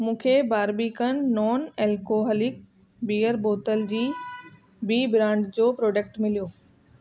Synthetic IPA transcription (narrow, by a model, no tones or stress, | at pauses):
mũːkʰebaːɾbikənːɔːnɛːlkoɦəlɪk̚ | biːəɾboːt̪əld͡ʑiː | biːbɾãːɳɖd͡ʑoːpɾoːɖeːkʈmɪlijoː